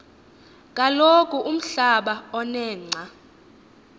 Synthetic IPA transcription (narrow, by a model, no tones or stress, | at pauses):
k̬ʼalokʼuʔum̩ɬaɓaɔnɛːŋ͡ǀʱa